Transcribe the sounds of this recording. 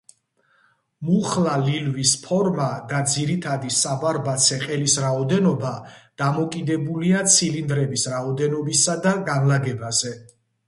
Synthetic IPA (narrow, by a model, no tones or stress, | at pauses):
muχlalilvispʰɔɾmad̪ad̪ziɾit̪ʰad̪isavaɾbat̪sʰɛqʼɛlisɾaɔd̪ɛnɔbad̪̥amɔkʼid̪ɛbuliat̪sʰilind̪ɾɛbisɾaɔd̪ɛnɔbisad̪aɡanlaɡɛbazɛ